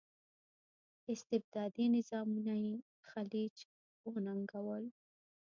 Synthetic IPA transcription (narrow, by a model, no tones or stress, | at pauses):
ɪst̪ɪb̚d̪ɑd̪inɪzɑmunaje | xalid͡ʒ | onaŋɡawəl